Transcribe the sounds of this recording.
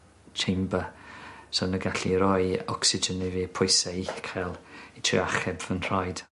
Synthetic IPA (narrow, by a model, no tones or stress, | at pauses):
t͡ʃʰembəsɔnəɡaɬiɾɔjɔksɪd͡ʒəniviːpʰʊjsɛiθkʰɛlˠitʰrɪ̰aχɛbvənr̥ajd̥